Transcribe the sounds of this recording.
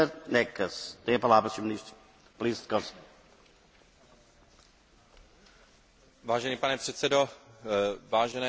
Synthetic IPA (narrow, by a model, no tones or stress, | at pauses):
əɾnɛkəsd̪ɛjəpɐlaːbəsumnis | pliːst̪kɔs | vaːʒɛniːpanɛpr̥ɛt̪sɛdo | vaːʒɛnɛ